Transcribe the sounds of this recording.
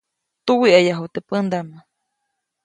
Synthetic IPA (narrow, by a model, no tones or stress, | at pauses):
t̪uwiʔajaɦut̪epənd̪ama